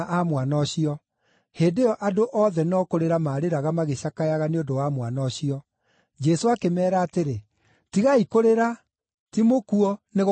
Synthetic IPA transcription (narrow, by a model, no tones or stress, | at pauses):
ʔamwanɔɕiɔ | heːdeɔʔadoʔɔðɛnɔkoɾeɾamaɾeɾaɣamaɣeɕakajaɣaneodowamwanɔɕiɔ | d͡ʒɛsoakemɛːɾaːteɾe | tiɣaikoɾeɾa | timokuɔneɣ